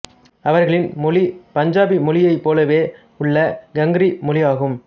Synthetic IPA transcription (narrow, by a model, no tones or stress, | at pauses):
ɐʋɐɾɣɐɭɪnmʊlɪpɐɲd͡ʒaːbimʊlɪjɐɪpːoːlɐʋeː | ʊɭːɐɡɐŋɡɾimʊlɪjaːɣɯm